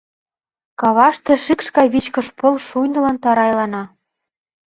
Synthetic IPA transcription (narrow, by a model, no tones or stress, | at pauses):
kɑβɑʃt̪ĕʃikʃkɑjβit͡ɕkɤ̆ʃpolʃujnd̪ɤ̆lɤ̆nt̪ɑɾɑjlɑnɑ